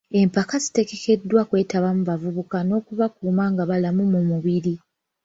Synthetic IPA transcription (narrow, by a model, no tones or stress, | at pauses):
e̞mpakazi̥te̞ɡe̞ke̞dːwakwe̞ːtaβamuβavuβukano̞ːkuβakuːmaːŋɡaβalamumumuβiɾi